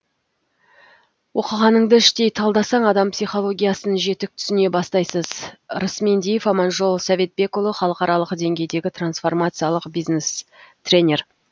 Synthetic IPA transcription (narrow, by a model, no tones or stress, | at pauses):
wʔo̞qəʁɑnəɴd̪əɪʃt̪e̞jt̪ʰɑlˠd̪ɑsɑɴɑd̪ɑmpsijχo̞lˠo̞ɡʲijasənəʒe̞t̪ɪk̚t̪ʰʏ̥sɪne̞bɑst̪ɑjsəzɾəsme̞nd̪ejefɑmɑnʒo̞lˠsɑve̞t̪̚be̞kolˠəχɑlˠəqɑɾɑlˠəqd̪e̞ŋɡʲe̞jd̪e̞ɡʲɪt̪ransfo̞rmat̪sɨjɑlˠəqbijznest̪rʲe̞nʲe̞r